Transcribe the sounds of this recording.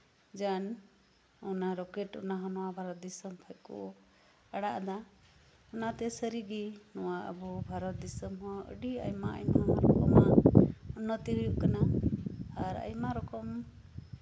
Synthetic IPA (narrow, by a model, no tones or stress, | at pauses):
d͡ʒan | ɔnaɾokeʈṵnaɦɔnɔwabʱaɾʌt̪̚d̪isʌmpʰajko̰ | aɽaʔd̪a | unat̪esəɾiɡinɔwaʔə̰bɔbʱaɾʌt̪̚d̪isɔmɦɔə̰ɽia̰jmaə̰jmanaɾɔkɔmaunːʌt̪iɦujuʔkəna | aɾa̰jmaɾɔkɔm